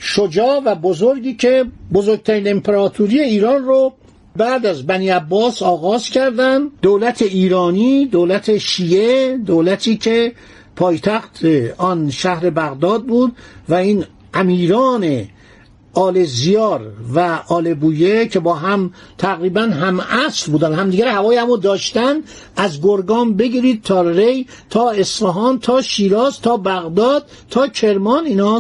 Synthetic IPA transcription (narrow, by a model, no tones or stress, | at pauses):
ʃod͡ʒɒːvæbozoɾɟiːcʰe̞bozoɾɡ̚t̪ʰæɾiːne̞mpʰeɾɒːt̪ʰuɾije̞iːɾɒːnro | bæːd̪æzbæniːæbːɒːsɒːɣɒːzcʰæɾd̪ænd̪d̪oːlæt̪ʰe̞iːɾɒːnid̪oːlæt̪ʰe̞ʃiːed̪oːlæt̪ʰiːcʰe̞ | pʰɒːjt̪ʰæxt̪ʰeɒnʃæhɾe̞bæɣd̪ɒːd̪̚buːd̪væiːn | ʔæmiːɾɒːne | ɒːlezijɒːɾvæʔɒːlebuːjecʰe̞bɒːɦæmt̪ʰæɣɾiːbænɦæmæslbuːd̪ænhæmd̪iːɡæɾhævɒːjhæmud̪ɒːʃt̪ænd̪ | æzɡoɾɡɒːmbe̞ɡiːɾiːd̪̥̚t̪ʰɒːɾej | t̪ʰɒːe̞sfæɦɒːnt̪ʰɒːʃiːɾɒːzt̪ʰɒːbæɣd̪ɒːd̪̥̚ | t̪ʰɒːcʰe̞ɾmɒːniːnɒː